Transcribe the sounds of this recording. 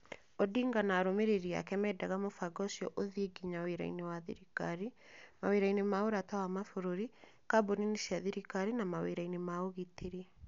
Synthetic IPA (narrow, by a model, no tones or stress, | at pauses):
ɔdiːŋɡanaɾomeɾeɾia̰kɛmɛdaɣamofaɡɔsiɔʔoðiɡiɲaweɾa̰ḭnewaðḭɾikaɾi | maweɾainemaoɾatawamafoɾoɾi | kaboninisiaðiɾikaɾinamawḛɾainemaoɣitʰeɾi